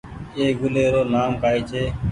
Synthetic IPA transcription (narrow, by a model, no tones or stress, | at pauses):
eːɡʊleːɾoːnaːmkaːiːt͡ʃʰeː